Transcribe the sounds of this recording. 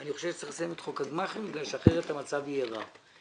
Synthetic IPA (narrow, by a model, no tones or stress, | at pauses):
aniχoʃevʃe̥t͡saχsajemet̪χokadmaχembiɡlalʃeaχeʁet̪amat͡savijava̰